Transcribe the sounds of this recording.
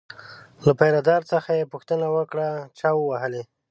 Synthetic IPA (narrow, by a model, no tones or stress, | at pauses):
lapajɾad̪ɑɾt͡səxajepuxt̪ənawəkɽat͡ʃɑwəwaɦəle